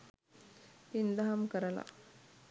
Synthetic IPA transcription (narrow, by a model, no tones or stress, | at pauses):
ind̪ɐɦɐmkəɾɐla̰